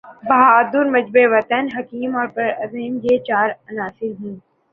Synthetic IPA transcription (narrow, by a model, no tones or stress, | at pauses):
bad̪uɾmɐd͡ʑbeʋɐt̪ənɦɐkiːmɔːɾpɐɾɐzeːmd͡ʒeːt͡ɕaːɾɐnaːsɪlɦĩː